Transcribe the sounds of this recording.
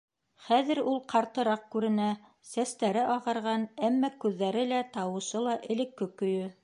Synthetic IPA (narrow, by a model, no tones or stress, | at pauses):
χæðɘ̆ɾulˠqʰɑɾt̪ɤ̆ɾɑq̚kʉɾɘ̆næ | sæst̪æɾɘʔɑʁɑ̆ɾʁɑnæmːɑkʉðːæɾɘlæt̪ɑwɤ̆ʃɤlˠɑʔɘ̆lɘ̆kːɘkːɵ̆jɵ